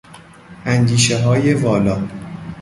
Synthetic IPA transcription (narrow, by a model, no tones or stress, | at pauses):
ʔæŋɟiːʃeɦɒːje̞vɒːlɒː